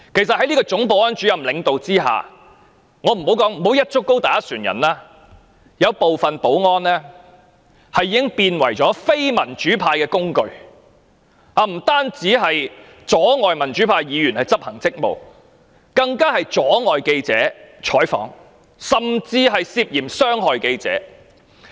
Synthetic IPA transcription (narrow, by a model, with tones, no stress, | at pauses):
kʰe˨˩js̬ɐ˨t̚hɐ˨˥li˥kɔː˧t͡sʊ˨˥ŋpo˨wŋɔː˥nt͡ʃy˨˥jɐ˨˩mlɪ˨˧ŋt̪o˨wt͡siː˥ɦa̰ː˨ | ŋɔː˨˧m̩˨˩ho˨˥wkɔː˨˥ŋm̩˨˩ɦo˨˥wjɐ˥t̚t͡ʃʊ˥kːo˥wt̪aː˨˥jɐ˥syː˨˩njɐ̰˨˩nlaː˥ | jɐ˨˧wpo˨wfɐ˨npo˨˥wŋɔː˥nlɛː˥ | hɐ˨jːiː˨˥ɪ˥ŋpiː˧nwɐ˨˩jt͡ʃɔː˨˥fe˥jmɐ˨˩nt͡ʃyː˨˥pʰaː˧jkɛː˧kʊ˥ŋkɵ˨˧ɥ | aː˨˧m̩˨˩t̪aː˥nt͡siː˨˥ɦɐ˨j | t͡ʃɔː˨˥ŋɔː˨jmɐ˨˩nt͡ʃyː˨˥pʰaː˧jiː˨˧jy˨˩nhɐ˨jt͡sɐ˥p̚hɐ˨˩ŋt͡sɪ˥k̚mo̰˨w | kɐ˧ŋkaː˥hɐ˨jt͡sɔː˨˥ŋɔː˨jke˧jt͡sɛ̰ː˨˥t͡ʃʰɔː˨˥jfɔ̰ː˨˥ŋ | sɐ˨mt͡siː˧ɦɐ˨jsiː˧p̚jiː˨˩msœː˥ŋɦɔː˨jke˧jt͡sɛ̰ː˨˥